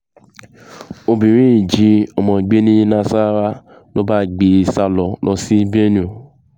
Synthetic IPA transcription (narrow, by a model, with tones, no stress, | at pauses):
o˧bĩ˨ɾ̃ĩ˦i˨d͡ʒi˧˦ɔ˨mɔ̃˨ɡ͡be˦nĩ˦nã˧sa˦ɾa˦ | lo˦ba˦˨ɡ͡be˧˨sa˧lɔ˧lɔ˧si˦be˦nĩ˦o˨